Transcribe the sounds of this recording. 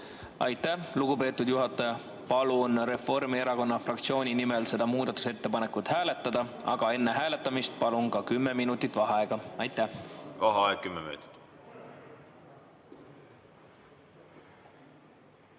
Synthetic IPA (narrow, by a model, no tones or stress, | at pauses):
ɑjt̪ːˑæhluɡupe̞ːt̪ːud̪juɦɑt̪ːˑɑjɑ | pɑlunre̞fo̞rmie̞ɾɑko̞nːɑfrɑkt̪sio̞ːnʲinimelse̞d̪̥ɑmuːd̪̥ɑt̪ːˑu̥se̞t̪ːe̞pɑne̞kut̪ˑhæːle̞t̪ˑːɑd̪̥ɑɑ̰ɡ̥ɑe̞nːe̞ɦæːle̞t̪ːˑɑmist̪̚pɑlunkɑkymːe̞minut̪ːˑit̪ːˑvɑɦɑeɡ̥ɑɑjt̪ːˑæhɑɦɑɑekkːymːemø̰t̪ʲt̪